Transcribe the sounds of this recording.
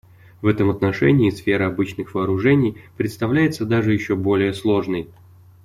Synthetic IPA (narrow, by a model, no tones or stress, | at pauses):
vɛt̪əmɐt̪nɐʂɛ̰nʲɪːsfʲe̞ɾɨɐbɨt͡ɕnɨxvəːɾʊʐɛnʲɪjpɾʲɪt̪st̪ɐvlʲæjɪt̪səd̪aʐɨjɪɕːo̞bo̞lʲɪjəslˠo̞ʐnəj